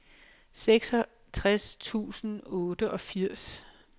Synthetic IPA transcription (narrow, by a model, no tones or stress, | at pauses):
seɡ̥sɒ | t͡sʰʁast͡sʰṵːsn̩ɔ̽ːd̥əʔɒ̽fiɐ̰s